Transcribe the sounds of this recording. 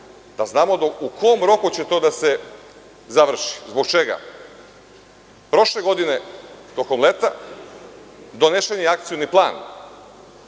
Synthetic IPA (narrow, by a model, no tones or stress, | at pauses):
d̪aznaːmod̪oukʰo̞omɾo̞kut͡ɕet̪o̞d̪ase̞ | zaʋr̩ʃi̥zbo̞kt͡ʃe̞ɡa̰ | pɾo̞ʃle̞ɡo̞d̪ine̞t̪o̞ko̞mlet̪a | d̪o̞ne̞ʃenijeak̚t̪sijuniplˠaːn